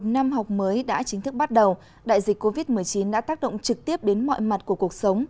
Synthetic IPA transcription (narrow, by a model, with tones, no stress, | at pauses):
o˨˩t̚na˧mɦa˨˩wk͡p̚məː˨˦jɗa̰ː˧˥t͡ɕï˨˦ŋ̟t̪ɨ˦˥k̚ɓa˦˥t̚ɗə˨˩w | ɗa̰ː˧˨jzï˨˩k̟kːo˧vi˦˥t̚mɨ˨˩əjt͡ɕi˨˦nɗa̰ː˧˥t̪aː˦˥k̚ɗo̰˧˨ŋ͡mt͡ɕɨ˨˩k̚t̪i˦˥əp̚ɗe˨˦nmɔ̰˧˨jma˨˩t̚ku˧˩əku˨˩ək̚sə˨˦wŋ͡m